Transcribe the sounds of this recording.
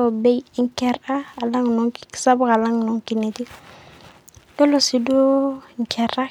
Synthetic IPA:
o˨be˦jŋ˦kɛ˦ɾa˦a˨la˦ŋnɔ˦ŋkiksa˦bu˦ka˨la˦ŋno˨ŋki˨ni˨t̪i˦ | dɔ˦lo˦˨si˨do˦ŋ̩˨kʰɛ˨ɾa˦

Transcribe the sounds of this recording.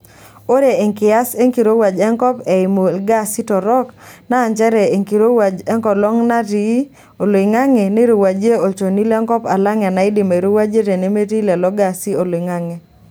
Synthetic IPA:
o˦ɾe˨e˨ŋkɪ˨a˦se˦ŋki˨ɾo˦wa˨d͡ʒɛ˦ŋkɔ˦pɛ˨ɪ˨mo˨lɡa˦si˦tɔ˨ɾɔ˦knaː˦˨ɲt͡ʃɛ˦ɾɛ˨e˨ŋki˨ɾo˦wa˨d͡ʒɛ˦ŋkɔ˨lɔ˦ŋna˦ti˨˦ | o˨lɪ˨ŋa˦ŋe˨ne˦ɾo˨wa˨d͡ʒe˦o˨t͡ʃo˨ni˦lɛ˦ŋkɔ˦pa˨la˦ŋɛ˨na˨ɪ˦dɪ˨ma˨ɾo˦wa˦d͡ʒe˦ɾe˨ne˦me˦ti˦lɛ˨lɔ˦ɡa˨si˦o˨lɪ˨ŋa˦ŋe˨

